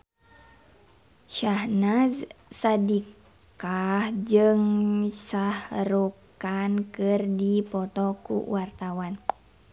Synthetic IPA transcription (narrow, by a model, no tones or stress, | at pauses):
ʃahnazsadikk | ahd͡ʒɨŋsahrukankɨrdipɔt̪ɔkṵwart̪awan